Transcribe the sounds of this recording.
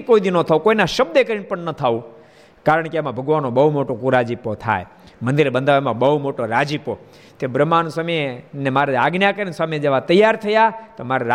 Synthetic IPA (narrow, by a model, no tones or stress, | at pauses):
koid̪inot̪ʰaukoinaʃəb̚d̪ekəɾiɳpəɳnət̪ʰaũ | kaɾəɳkeamãbʱəɡʋanːõbəɦumoʈokuɾad͡ʒipot̪ʰa̰j | mə̃nd̪ɪɾbənd̪ʱaemãbəɦumoʈoɾad͡ʒipo | t̪ebɾəmansəmenemaɾeaɡnjakəɾinsamed͡ʒeʋat̪əjːaɾt̪ʰəjat̪omaɾeɾa